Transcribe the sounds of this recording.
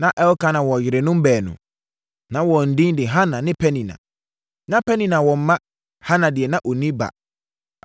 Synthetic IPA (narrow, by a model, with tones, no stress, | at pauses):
nã˦ʔɛ˦wka˦nã˨wɔ˨jɪ˨ɾe˨nʊ̃˦m̩˦bɛː˨nʊ̰̃˨ | nã˦wɔ˨n̩˨dĩ˦dɪ˨ɦa˦nã˨nɪ̃˦pʰɛ˦nĩ˨nã̰˨ | nã˦pɛ˦nĩ˨nã˨wɔ˨m̩˦mã˦ | ha˦nã˨dɪ˨ɛ˨nã˦ʔo˨nĩ˦ba̰˨